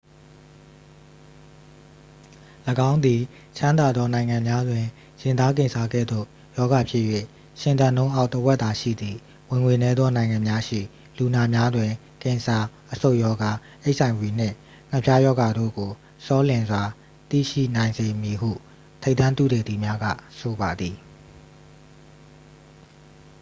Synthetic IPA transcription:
ləɡã˦ʊ̃nd̪i˨ | t͡ɕʰã˦nd̪a˨d̪ðɔ˦nã˨ɪ̃ŋã˨mja˦dwɪ̃˨ | jɪ̃˨nd̪a˦k̬ɪ̃˨nsʰa˦ɡɛ̰˦˨d̪o̰˦˨ | jɔ˦ɡa˨pʰjɪ˦ʔjwḛ˦˨ | ʃɪ̃˨nt̪ã˨nõ˦ʊ̃ʔa˦ʊtəwɛ˦ʔt̪a˨ʃḭ˦˨d̪ði˨ | wɪ̃˨ŋwe˨nɛ˦d̪ðɔ˦nã˨ɪ̃ŋã˨mja˦ʃḭ˦˨ | lu˨na˨mja˦dwɪ̃˨ | kɪ̃˨sa˨ʔəso˦ʊʔjɔ˦ɡa˨ | ʔe˦ɪʔsã˨ɪ̃bwi˨n̥ɪ̰̃˦˨ | ŋ̥ə˨pʰja˦jɔ˦ɡa˨do̰˦˨ɡo˨ | sɔ˦lɪ̃˨nzwa˨ | t̪ḭ˦˨ʃḭ˦˨nã˨ɪ̃nze˨mji˨ɦṵ˦˨ | tʰe˦ɪʔt̪ã˦nt̪u˦˨dɛ˨d̪i˨mja˦ɡä̰˦˨so˨ba˨d̪ði˨

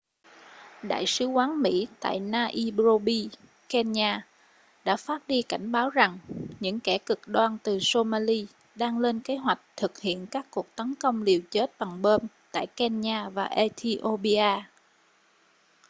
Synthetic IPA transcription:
ɗa̰ː˧˨jsɨ˨˦kwaː˨˦nmḭ˧˥t̪a̰ː˧˨jnaː˧ʔi˧ɓzo˧ɓi˧ | kɛ˧nɲaː˧ | ɗa̰ː˧˥faː˦˥t̚ɗi˧ka˧˩jŋ̟ɓaː˨˦wza˨˩ŋɲɨ̰˧˥ŋkɛ˧˩kɨ˨˩k̚ɗwaː˧nt̪ɨ˨˩so˧maː˧li˧ | ɗaː˧ŋle˧nke˨˦ɦwa˨˩jk̟̚t̪ʰɨ˨˩k̚hḭ˧˨ənkaː˦˥kkːu˨˩ək̚t̪ə˨˦nkə˧wŋ͡mli˨˩əwt͡ɕe˦˥t̚ɓaː˨˩ŋɓə˧mt̪a̰ː˧˨jkɛ˧nɲaː˧vaː˨˩ʔɛ˧t̪ʰi˧ʔo˧ɓi˧ʔaː˧

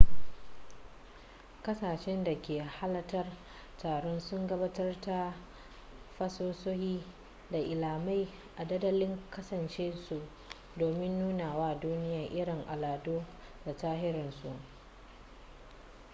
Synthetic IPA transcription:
kɐ˦saː˨ʃɛ˦nda˨kʲeː˨ha˦lɐ˦tɐ˦r | taː˨ɽɔ˦nsʊ˦ŋɡɐ˦baː˦tɐ˦rta˦ | ɸɐ˦soː˦soː˦hiː˦ | da˨ʔɪ˨laː˨ma˦j | ʔa˨dɐ˦dɐ˦lɪ˦ŋkɐ˦sɐ˨nt͡ʃeː˦su˨ʔ | doː˨mɪ˦nːuː˦naː˨waː˦duː˦nɪ˦ja˨ʔɪ˦ɽɪ˨ŋʔa˨laː˨doː˦da˨taː˦ɦɪ˦ɾɪ˨nsu˨ʔ

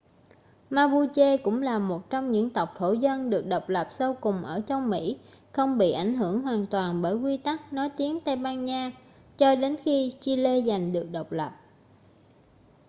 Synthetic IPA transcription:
maː˧ɓu˧t͡ɕe˧kʊ̰˧˥ŋ͡mlaː˨˩mo˨˩t̚t͡ɕɔ˧wŋ͡mɲɨ̰˧˥ŋt̪ə˨˩wk͡p̚t̪ʰo˧˩zə˧nɗɨ˨˩ək̚ɗə˨˩wk͡p̚lə˨˩p̚sə˧wkʊ˨˩ŋ͡mʔəː˧˩t͡ɕɔ˧wŋ͡mmḭ˧˥ | xə˧wŋ͡mɓḭ˧˨ʔa˧˩jŋ̟ɦɨ˧˩əŋɦwaː˨˩nt̪waː˨˩nɓəː˧˩jkwi˧t̪a˦˥k̚nɔ˨˦jt̪i˨˦ənt̪a˧jɓaː˧nɲaː˧ | t͡ɕɔ˧ɗe˨˦nxi˧t͡ɕi˧le˧za˨˩jŋ̟ɗɨ˨˩ək̚ɗə˨˩wk͡p̚lə˨˩p̚

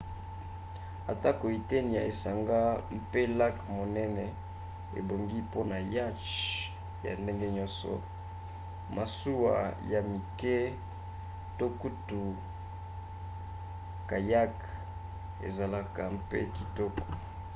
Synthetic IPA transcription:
a˨ta˦ko˨i˨te˦ni˨a˨e˨sa˨ŋɡa˦m˦pe˦la˦kmo˨nɛ˦nɛ˨ | ḛ˨bo˨ŋɡi˦po˦na˨ja˦t͡ʃ | ja̰˨nde˦ŋɡe˦ɲɔ˦nsɔ̰˨ | ma˨su˦wa̰˨ja˨mi˨kɛ˦ | to˦ku˦tu˨ | ka˨ja˦k | ḛ˨za˨la˨ka˨mpḛ˦ki˨tɔ˦kɔ̥˨

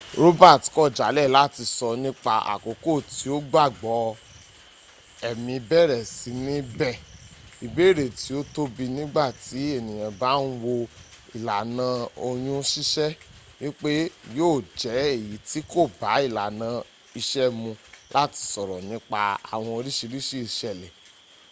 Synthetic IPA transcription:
ɾo˦ba˦˨ti̥˨˦kɔ˦˨d͡ʒa˨˦lɛ˦˨la˦ti˧sɔ˧nĩ˦k͡pa˧a̰˨ko˨˦ko˦˨ti˨˦o˦ɡ͡ba˦˨ɡ͡bɔ˨˦ | ɛ˨mĩ˧bɛ˦˨ɾɛ˨si˨˦nĩ˦bɛ˦˨i˨be˨˦˨ɾe˨ti˨˦o˦to˦bi˧nĩ˦ɡ͡ba˦˨ti˨˦e˦˨nĩ˨j̃ã˨ba˨˦n̩˦wo˧ | i˨la˨nã˧o˧j̃ũ˦ʃi˦ʃɛ˦ | wi˦k͡pe˦joː˦˨d͡ʒɛ˨˦e˦˨ji˨˦ti˦ko˦˨ba˨˦i˦˨la˨nã˧ | i˧ʃɛ˦mũ˧la˦ti̥˧sɔ˨ɾɔ˨nĩ˦k͡pa˧a̰˨w̃ɔ̃˧o˧ɾi˦ʃi˧ɾi˦ʃi˦˨ʃɛ˨lɛ˨

